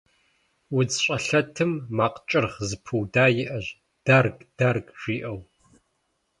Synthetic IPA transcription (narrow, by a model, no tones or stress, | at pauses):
wʊd͡zɕʼɐɬɐtʰɨmːaːqt͡ʃʼɪrʁzɨpʰɨwdaːjɪʔɐʑ | d̥arɡd̥arɡʼʒʷiːʔɐw